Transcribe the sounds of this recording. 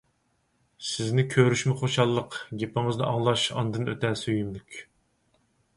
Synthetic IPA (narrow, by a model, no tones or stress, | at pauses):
sɪznɪkʲʰøɾyʃmɪχoʃɑlˠːəqɡʲepɪŋɨznɨ̰ʔɑ̰ŋlˠɑʃɑ̰nd̪ɨnø̰t̪ɛsøjymlykʲ